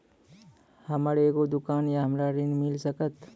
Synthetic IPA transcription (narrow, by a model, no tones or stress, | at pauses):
həməɾeeɡod̪ʊkaːnjaɦəmɾaɾɪnmɪlsəkət̪